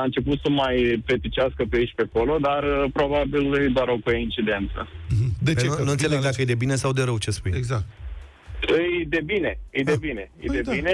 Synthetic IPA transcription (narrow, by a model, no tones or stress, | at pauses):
aɨnt͡ʃe̞put̪səmajpe̞t̪it͡ʃʲaskəpeiʃʲpeko̞lo̞d̪arpɾo̞babilɨjd̪oaɾowkoint͡ʃid̪ent̪sə̰d̪et͡ʃnuɨnseleɡ̚d̪akəjd̪e̞bine̞sawd̪e̞ɾəwt͡ʃe̞spujeɡzak̚t̪ | ɨjd̪e̞bine̞ɨjd̪ebine̞ɨ̰jd̪eine